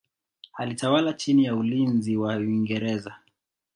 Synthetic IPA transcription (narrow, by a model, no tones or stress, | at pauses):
halitawalat͡ʃinijaulinziwawiŋɡɛɾɛza